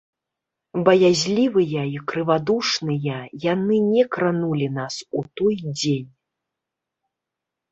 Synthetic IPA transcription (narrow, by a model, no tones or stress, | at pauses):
bɐjazʲlʲivɨjɐikɾɨvad̪uʂnɨjɐjanɨnʲɛkɾanulʲinasut̪ɔjd͡zʲenʲ